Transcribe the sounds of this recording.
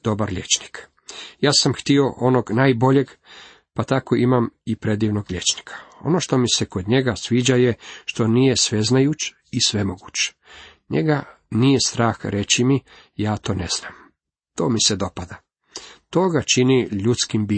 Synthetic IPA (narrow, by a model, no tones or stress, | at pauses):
d̪̥o̞baɾʎʲet͡ʃni̥k | jaːsamxt̪io̞ʔo̞noɡnaːjbo̞ʎe̞ɡ | pat̪ako̞imamipɾe̞d̪iːʋno̞ɡlʲe̞t͡ʃni̥kʰḁo̞̰no̞ʃt̪o̞miseko̞d̪ɲe̞ɡasʋiːd͡ʑaje̞ʃt̪o̞nije̞sʋe̞znajut͡ʃ | isʋe̞mo̞ɡut͡ɕ | ɲḛɡanije̞st̪ɾaːxɾʔe̞t͡ɕimi | jaːt̪o̞ːne̞z̥naːm | t̪o̞ːmise̞d̪o̞pad̪a | t̪o̞ɡat͡ʃiniʎut̪skimbi